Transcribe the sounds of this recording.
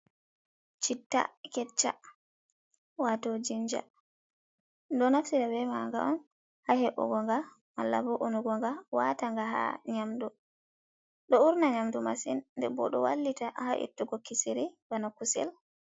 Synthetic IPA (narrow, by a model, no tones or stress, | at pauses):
t͡ʃitːa̰kɛt͡ʃːa̰ | watod͡ʒiɲd͡ʒa̰ | dɔnafsitabɛmaŋɡa̰ʔɔn | hahɛʔṵɡɔŋɡa | malːa̰bɔʔunuɡɔŋɡawataŋɡaɦa̰ɲamdu | ɗɔuɾnaɲamduma̰sinndɛbɔ̰ɗɔwa̰lːitaha̰ʔḭtːuɡɔkisiɾibanakusɛ̰l